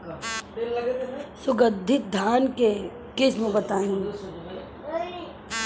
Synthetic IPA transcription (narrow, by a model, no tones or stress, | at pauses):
sʊɡəd̪ʱːɪt̪̚d̪ʱaːnke | kɪsmẽbɐt̪aːĩ